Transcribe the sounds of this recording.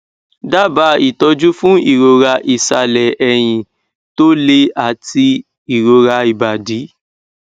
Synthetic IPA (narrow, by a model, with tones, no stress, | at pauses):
da˦ba˨˧˦i˨tɔ˧d͡ʒu˦fũ˦i˦˨ɾo˧ɾa˧ʔi˨sa˧lɛ˨ɛ˧j̃ĩ˧ | to˦le˦a˨ti˧ | i˨ɾo˨˧ɾa˧i˨ba˨di˨˦